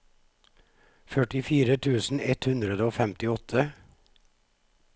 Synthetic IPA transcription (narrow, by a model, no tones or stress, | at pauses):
fœʈɪfiːɾət̪ʰʉːsn̩ɛt̪hʉnd̪ɾəd̪əoːfɛmt̪ɪɔt̪ʰə